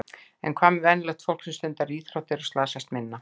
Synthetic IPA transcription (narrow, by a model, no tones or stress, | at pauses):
ɛ̰nkʰvaːmɪvɛnlɛxt̪fowl̥ksɛmst̪ʏnt̪aɾiːθɾɔwt̪ɪɾḁst̪laːsajst̪mɪnːa